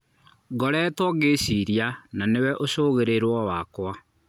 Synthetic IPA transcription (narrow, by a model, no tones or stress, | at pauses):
ɡɔɾɛːtwɔɣesiɾjananewɛʔoʃoɣeɾeɾwɔwakwa